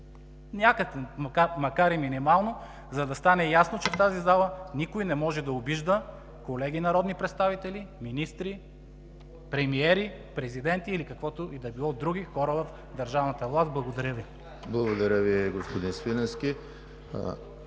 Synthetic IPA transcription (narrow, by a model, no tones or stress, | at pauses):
nʲakəkɛmɐkamɐkaɾiminimalˠno | zɐd̪ɐst̪anɛjasnot͡ʃɛft̪azizalˠənikojnɛmɔʒɛd̪ɐobiʒd̪ə | kolɛɡinɐɾɔd̪nipɾɛt̪st̪avit̪ɛliminist̪ɾi | pɾɛmiɛɾi | pɾɛzid̪ɛnt̪iːlikɐkvɔt̪oʔid̪ɐbilˠɔd̪ɾuɡʲixɔɾəvɐf | d̪ɐɾʒavnət̪əvlˠast̪̚blˠɐɡod̪ɐɾʲəvi | blˠɐɡod̪ɐɾʲəviɡospod̪insfinɛskʲi